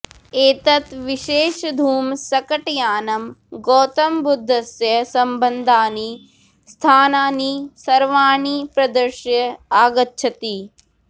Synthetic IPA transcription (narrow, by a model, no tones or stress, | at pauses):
eːt̪ɐt̪ʋiʃeːʃɐd̪ʱuːmsɐkɐʈjaːnɐmɡoːt̪ɐmbud̪ʱːɐsjɐsɐmbɐnd̪ʱaːni | st̪ʰaːnaːnisɐɾʋaːɳipɾɐd̪ɐɾʃjɐaːɡɐtːʃʰɐt̪i